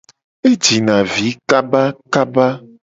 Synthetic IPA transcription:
e˦d͡ʒi˨nã˨vi˨˦ka˦ba˦ka˦ba˦

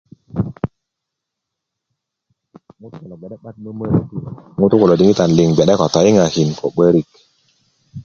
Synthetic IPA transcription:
ŋu˦tu˦ko˨lɔ˨ɡɛ˨ɗɛ˦ɓa˦t̚mə˦mə˦ɾi˦ti˦˨ŋu˦tu˦ko˨lo˨di˦ŋi˦ta˨n˨li˨ŋɡɛ˨ɗɛ˦kɔ˨tɔ˨ji˦ŋa˨hi˨nkɔ̰˨ɓə˦ɾi˦˨k

